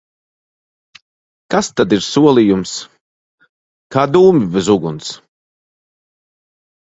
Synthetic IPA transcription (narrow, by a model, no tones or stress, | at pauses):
kast̪ad̪iɾsuɔlˠijums | kaːd̪uːmibɛzuɡuns